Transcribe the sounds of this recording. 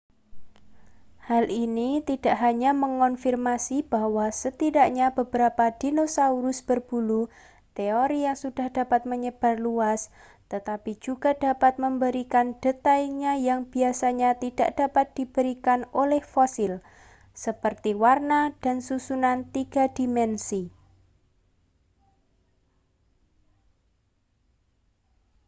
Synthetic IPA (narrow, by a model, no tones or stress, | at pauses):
halinit̪id̥aʔɦaɲaməŋɔnfirmasib̥ahwasət̪idaʔɲab̥əbəɾapad̥inosauɾʊsb̥ərb̥ulu | t̪eoɾijaŋsud̥a̤hd̥a̤pat̪̚məɲəb̥a̤rluas | t̪ət̪apid͡ʒuɡ̥adapat̪̚məmbəɾikand̥ət̪aiŋɲajaŋbiasaɲat̪id̥aʔd̥apat̪̚d̥ib̥əɾikanolɛhfosɪl | səpərt̪iwarnad̥a̤nsusunant̪iɡ̥a̤d̥imɛnsi